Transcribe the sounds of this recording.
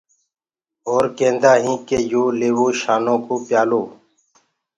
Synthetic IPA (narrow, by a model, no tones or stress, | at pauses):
oːɾkẽːnd̪aːɦĩːkejoːleːwoːʃaːnõːkoːpjaːloː